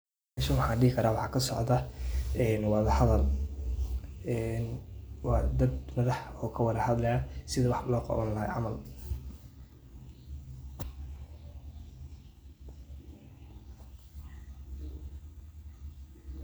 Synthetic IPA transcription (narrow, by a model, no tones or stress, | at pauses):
ʃɐnwɑħɑ̃ːɖɪɦɪkʰɐɾaːwɑħɑːkʰɐsɔ̰ʕd̪ɐɛːnwɑðɐhɐðɐl | ɛːnwɑd̪ɐd̪mɐðɐħɔːkʰɐwɑðɐhɐd̪lɐjasɪðɐwɑħlɔːqɔ̰ːβɐnlɐɦa̰jʕɑ̰mɐl